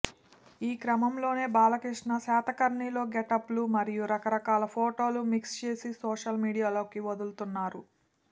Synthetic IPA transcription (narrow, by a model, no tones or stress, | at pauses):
iːkɾɐmɐmlo̞ːne̞ːbaːlɐkɾiʂɳɐsaːt̪ɐkɐɾɳiːlo̞ːɡɛʈɐplumɐɾijuɾɐkɐɾɐkaːlɐpʰoːʈo̞ːlumikst͡ʃe̞ːsisoːʂɐlmiːɽijaːlo̞ːkiʋod̪ult̪unːaːɾu